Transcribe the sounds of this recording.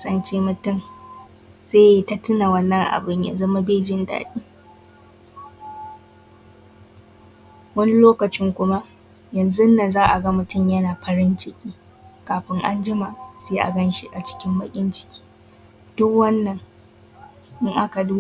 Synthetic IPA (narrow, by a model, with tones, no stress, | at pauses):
sɐ˨nt͡ʃeː˦mʊ˨tʊ˦˨m | seː˦ja˦ta˦tʊ˦na˨wɐ˦nːɐ˦ŋʔa̰˨bɪ˦ɲja̰˨zɐ˦ma˦beː˦d͡ʒɪ˦nda̰ː˨ɗiː˦ | wɐ˦ni˦loː˦kɐ˨t͡ʃɪ˦ŋkʷʊ˦ma˦ʔ | jɐ˨nzʊ˦nːa˨zaː˦ʔa˨ɡɐ˦mʊ˦tʊ˦˨mjɐ˦naː˨ɸɐ˦ɾɪ˦nt͡ʃɪ˦kʲʰʼiː˦ | kaː˨ɸɪ˦ŋʔa̰˦nd͡ʒɪ˦ma˨ʔseː˦ʔa̰˨ɡɐ˦nʃi˦ʔa˨t͡ʃɪ̥˦kʲɪ˦mbɐ˦kʲʼɪ˦nt͡ʃɪ̥˦kʲi̥ː˦ | d̥ʊ˦kwɐ˦nːɐ˨ŋ | ʔɪ˦ŋʔa˦ka˨duː˦